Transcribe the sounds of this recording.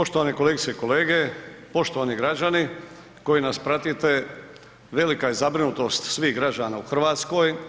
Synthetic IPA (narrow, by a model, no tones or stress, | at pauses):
po̞ʃt̪oʋanekoleɡit̪seiko̞leːɡe̞po̞ʃt̪o̞ʋaniɡɾad͡ʒani | ko̞jinaspɾat̪it̪e̞ | ʋe̞likajezabɾinut̪o̞st̪sʋiːɣɡɾad͡ʒanauxr̩ʋaːt̪sko̞j